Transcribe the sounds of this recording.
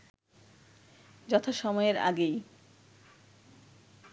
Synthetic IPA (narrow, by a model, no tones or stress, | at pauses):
d͡ʑɔt̪ʰaʃɔmɔeeɾa̰ɡej